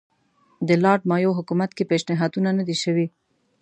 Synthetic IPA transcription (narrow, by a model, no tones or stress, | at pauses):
d̪əlɑʈ̚mɑjoɦʊkumat̪kepeʃnɪɦɑd̪unanəd̪iʃəwi